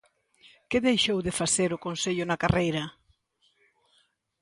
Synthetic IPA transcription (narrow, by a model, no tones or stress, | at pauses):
kɪðejʃowðɪfaθeɾʊkonseʎʊnakarejɾɐ